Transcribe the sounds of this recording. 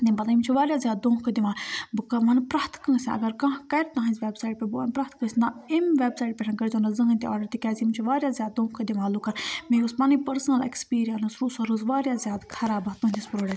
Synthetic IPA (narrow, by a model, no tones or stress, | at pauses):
t̪imbɐt̪ɐimut͡ʃʰiʋaːɾʲjaːzʲjaːd̪̚d̪õːɦkʰd̪iʋãːlbɨkɐmɐnpɾaːt̪ʰkɐ̃ːsʲiʔɐ̰ɡɐɾkɐ̃ɦkɐɾʲt̪ãɦɐ̃nzʲʋeːbsaːiʈpebuɐnpɾaːt̪kə̃ːsʲnɐimʋebsaːiʈpʲɛʈʰɐnkɐɾt͡ʃõːnd̪ɐzɐ̃ɦɐ̃nʲt̪iɔ̰ːɖɐɾt̪ikɛːzimut͡ʃʰiʋaːɾjaːzʲjaːd̪̚d̪õːɦkʰɐd̪iʋaːlukɐɾmeuspɐnipɐɾsɐnɐlḛkspiːɾijɐnɐsɾusɐɾuzʋaːɾjaːzjaːd̪kʰɐɾaːbɐt̪ũːnʲt̪ʲispɾoːɖɐ